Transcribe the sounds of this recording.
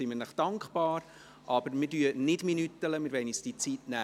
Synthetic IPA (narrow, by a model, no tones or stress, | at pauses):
imənəχd̥ɑŋkχb̥ɑːɾ | ʔɑbəɾmɪdyənɪdminyt̪ːələmɪɾvɛɪnisd̥it͡sitnæː